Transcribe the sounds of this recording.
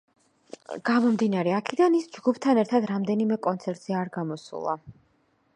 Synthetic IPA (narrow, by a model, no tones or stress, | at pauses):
ɡ̥amɔmd̪inaɾɛakʰɛd̪anisd͡ʒɡupʰt̪ʰanɛɾt̪ʰad̪ɾamd̪ɛnimɛkʼɔnt̪sʰɛɾt̪ʼz̥ɛaɾɡamɔsṵlˠa̰